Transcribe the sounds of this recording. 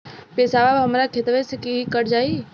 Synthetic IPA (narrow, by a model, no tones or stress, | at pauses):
peːsaːbaːbɦəmɾakʰet̪ʋẽsekiɦikəɾd͡ʒaːi